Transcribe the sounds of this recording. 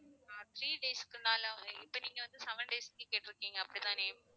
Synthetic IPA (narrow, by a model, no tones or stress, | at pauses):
ãːt̪ɾiːɖeːskɯnaːlɐɪpːɐniːŋɡɐʋɐnd̪ɯsɛʋɐɳɖeːskːɯkeːʈːɪɾɯkːiːŋɡɐːpːɐɽit̪ãːneː